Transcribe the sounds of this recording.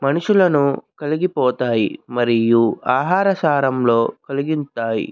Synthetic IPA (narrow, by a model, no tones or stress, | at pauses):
mɐnuʂulɐnukɐliɡipɔːt̪aːjḭmɐɾijuaːɦaːɾɐsaːɾɐmlo̞ːkɐliɡint̪aːjḭ